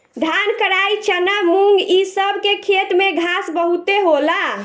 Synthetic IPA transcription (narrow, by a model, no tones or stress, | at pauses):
d̪ʱankəɾajt͡ʃʰənamuŋɡisəbʱkekʰet̪meɡʱasbəɦut̪eɦola